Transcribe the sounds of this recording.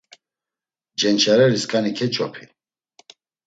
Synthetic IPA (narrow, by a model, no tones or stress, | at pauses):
d͡ʒɛnt͡ʃʰaɾɛɾiskʼanikʰɛt͡ʃʰʼɔpʰi